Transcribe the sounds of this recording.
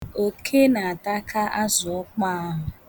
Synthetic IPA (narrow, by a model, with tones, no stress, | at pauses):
o˨kʰe˦na˨a˨ta˦kʰa˦ʔa˦zʊ˨ɔ˦k͡pa˦a˦ɦʊ˨